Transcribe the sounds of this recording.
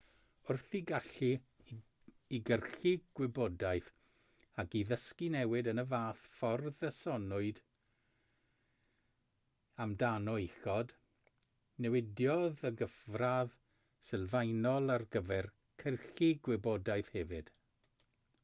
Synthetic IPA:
ʊrθiɡaɬi | ɡərɬiɡ̥wɪbɔdajθ | akiðəskinɛwɪdənəvaːθfɔrðəsɔnʊɨd | amdanɔixɔd | nɛwɪdjɔðəɡəvrað | sɪlˠvajnɔlˠarɡəvɛr | kʰərɬiɡwɪbɔdajθhɛvɨd̥

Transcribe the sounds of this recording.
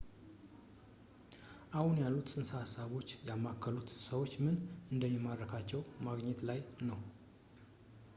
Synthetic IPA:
ʔahunjalːut̪sʼɨnsəhasːaβo̞t͡ʃːjamːakːəlut̪səwo̞t͡ʃːmɨnɨnd̪əmjɛmːad̪ːəkʰat͡ʃːɛwmaɡɲɛt̪lajnəw

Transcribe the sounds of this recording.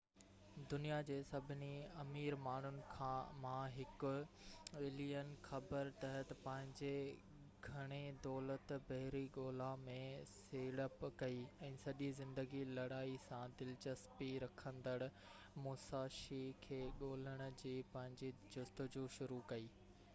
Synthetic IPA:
d̪ʊnijad͡ʑeːsɐbʱɪniɐmiːɾmaːn̤ʊnɪ̆kʰãmãːɦɪkʊ̆ | eːliːənɪ̆xɐbəɾt̪ɐɦət̪pɐ̃ɦɪ̃ɲd͡ʑe | ɡʱɐɽ̃ed̪ɔːlət̪bɐɦɪɾiɠoːlamẽseːɽəpkɐiɛ̃ːsɐʄizɪ̃nd̪əɡilɐɽaːisãd̪ɪlt͡ɕəspiɾɐkʰə̃nd̪əɽʊ̆ | mʊːsaːʃikʰeːɠoːləɽ̃ʊ̆d͡ʑiːpɐ̃ɦɪ̃ɲd͡ʑid͡ʑʊst̪ʊd͡ʑuːʃʊɾukɐiː

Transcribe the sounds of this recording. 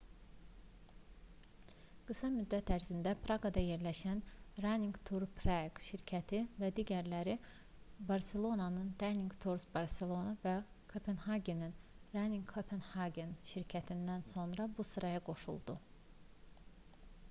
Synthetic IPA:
ɡ̥ɯsɑmyd̪ːæt̪ʰæɾzind̪æpʰɾɑɡɑd̪ɑje̞ɾlæʃænɾaniŋɡt̪ʰuɾpʰɾaɡʃiɾcʰæt̪ʰivæd̪iːɟæɾlæɾi | bɑɾse̞lˠo̞nɑnɯnd̪aniŋɡt̪ʰuɾsbɑɾse̞lˠo̞nɑvæ | kʰopʰenhɑɡʲeninɾaniŋɡkʰopʰenhɑɡʲenʃiɾcʰæt̪ʰind̪ænso̞nɾɑbusɯɾɑjɑɡo̞ʃṵlˠd̪u

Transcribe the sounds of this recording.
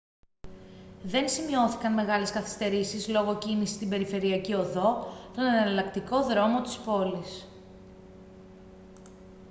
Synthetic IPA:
ðe̞nsimio̞θikɐnme̞ɣɐle̞skɐθi̥st̪e̞ɾisizlo̞ɣo̞cinisist̪ibe̞ɾife̞ɾiɐcio̞ðo̞t̪o̞nɐnɐɐlɐkt̪iko̞ðɾo̞mo̞t̪i̥spo̞lis

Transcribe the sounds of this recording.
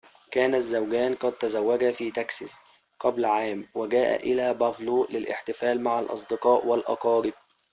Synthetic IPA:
kæːnæzːæwɡæːnqɑd̪̚t̪æzæwːæɡæfiːt̪æksas | qæblʕaːmwɪɡæːʔæ̰ʔɪlæːbæfluːʔlɪlʔɪ̰ħt̪ɪfæːlmaʕalʔɑ̰sˤd̪ɨqɑːʔwælʔɑ̰qɑːɾɪb̚

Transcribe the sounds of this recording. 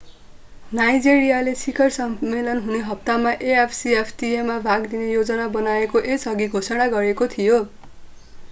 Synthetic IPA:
najd͡ziɾijalesikʌrsʌːelʌnɦuneɦʌp̚t̪amaʔeepʰsiepʰʈiemabʱaɡd̪inejod͡zʌnabʌnaekoʔesʌɡiɡʱosʌɽ̃aɡʌɾekot̪ʰijo

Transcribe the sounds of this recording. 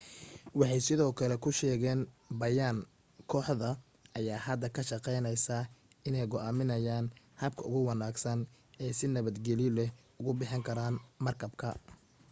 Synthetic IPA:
wɑħɑjsɪðɔːkʰɐlɛkʰʊʃɛːɣɛːn | bɐjaːn | kʰɔːħðɐ | ʔɐjaːhɐd̪ːɐkʰɐʃɑqɛjnɐjsa | ɪnɛjɡɔʔaːmɪnɐjaːn | hɐb̚kʰɐʊ̰ɣʊwɑnaːɡsɐn | ɛːsɪnɐβɐd̪ɡɛlɪlɛh | ʊɣʊbɪħɪŋkʰɐɾaːnmɐrkʰɐbkʰɐ

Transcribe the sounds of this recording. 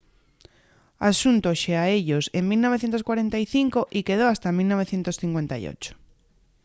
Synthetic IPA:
asunt̪oʃeaeʎoseŋmilnoβeθjent̪oskwaɾent̪aiθiŋkoʔikeð̞oast̪amilnoβeθjent̪osθiŋkwent̪aj̰o̰t͡ʃo̥

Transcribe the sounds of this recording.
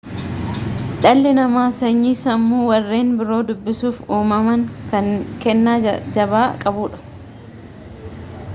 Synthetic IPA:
ᶑɐlːɪnɐmaːsɐɲːiːsɐmːuːwɐrːe̞ːnbɪɾo̞ːd̪ʊbːɪsuːfuːmɐmɐŋkɐŋkɛnːaːd͡ʒɐbaːkʼɐbuːᶑɐ̥

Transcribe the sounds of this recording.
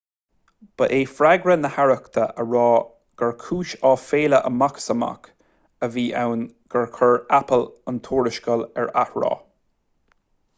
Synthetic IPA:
b̥əʔeːfɾaɡɹənəhaɹəkt̪ʰəʔəɹɑː | ɡ̥əɹkʰuːʃɑːfeːləʔəmaksəma̰k | əviːʔawnɡ̥əɹkʰəɹapələnt̪ʰuːɹɪʃkəlɛɹahɹɔ̰ː

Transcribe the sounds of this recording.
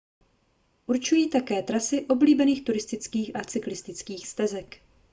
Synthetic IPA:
ʔuɾt͡ʃujiːt̪akɛːt̪ɾasɪʔo̞bliːbɛniːxt̪uɾɪst̪ɪt͡skiːxʔat͡sɪklɪst̪ɪt͡skiːxst̪ɛzɛk

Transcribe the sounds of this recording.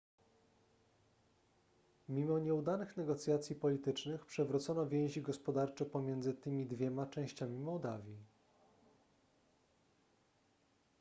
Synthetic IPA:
mʲimɔɲɛud̪anɘxnɛɡɔt̪sʲjat̪sʲjipɔlʲit̪ɘt͡ʂnɘxpʂɛvɾut̪sɔnɔvʲjɛ̃w̃ʑiɡɔspɔd̪aɾt͡ʂɛpɔmʲjɛnd̪zɘt̪ɘmʲid̪vʲjɛmat͡ʂɛ̃w̃ɕt͡ɕamʲimɔwd̪avʲji

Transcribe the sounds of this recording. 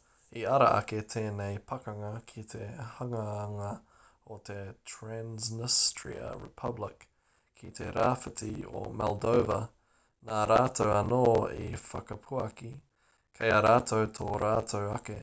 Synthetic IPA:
iɐɾɐʔɐ̰ket̪ʰeːneɪpʰɐkɐŋɐkʰit̪ʰehɐŋɐːŋɐ | ot̪ʰetʰɹæ̃nznɪstɹḭə̰ɹɪ̰pʰɐblɪkʰː | it̪ʰeɾʔaːfətʰio̰mɛlˠdoʊvə | naɾaːtʰowɐnoːḭfɐ̰kɐpʰuɐki | kʰɐɪaɾaːt̪ʰoʊtʰoɾʔaːtʰowɐke

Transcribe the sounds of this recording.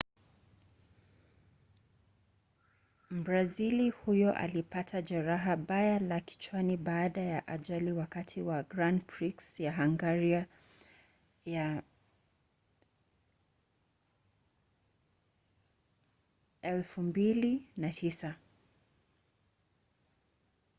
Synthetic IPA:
m̩bɾazilihujɔʔa̰lipatʰaʄɛɾaɦaɓajalaki̥t͡ʃwaniɓaːɗajaʔaʄaliwakatʰiwaɡɾandpɹiksjaɦaŋɡaɾia | ja | ɛlfumbilinatʰisa

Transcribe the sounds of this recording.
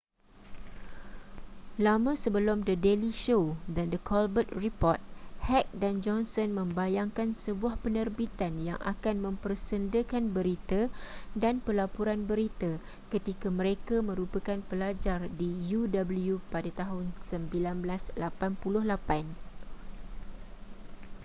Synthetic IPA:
lamə̃səbəlʊmdədeliʃodandəkʰɔlbət̪̚ripɔrt̪̚hɛk̚dand͡ʒɔnsɔnmə̃mbajaŋkansəbuahpənərbit̪anja̰ŋʔa̰kanmə̃mpərsəndəkanbəɾit̪adanpəlapuɾanbəɾit̪ə | kət̪ikamə̃ɾekamə̃ɾupəkanpəlad͡ʒardijudabəlujupadat̪aɦʊnsəmbilanblaslapanpulʊhlapan

